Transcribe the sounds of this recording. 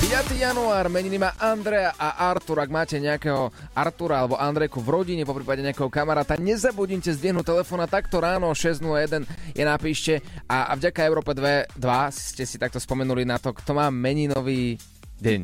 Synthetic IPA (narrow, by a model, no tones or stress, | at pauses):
pijat̪iːjanuaːɾmɛɲinimaːʔand̪ɾɛaʔaʔaɾt̪uɾaɡmaːcɛɲɛakɛɦɔaɾt̪uɾaalɛbɔʔand̪ɾɛkuvɾɔɟiɲɛpɔpɾiːpaɟɛɲɛakɛɦɔkamaɾaːt̪aɲɛzabuɟimcɛzd̪ʋɪiɛɦnut̪ɛlɛfɔːnat̪akt̪ɔɾaːnɔɔʃɛznulajɛd̪ɛnjʔɛnapiːʃcɛavɟakaɛʊɾɔːpɛd̪ʋɛd̪ʋasscɛsit̪ak̚t̪ɔspɔmɛnulinat̪ɔkt̪ɔmaːmɛɲinɔʋiː | ɟɛɲ